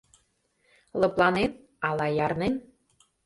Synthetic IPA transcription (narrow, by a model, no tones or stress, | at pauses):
lɤ̆plˠɑnen | ɑlɑjɑrnen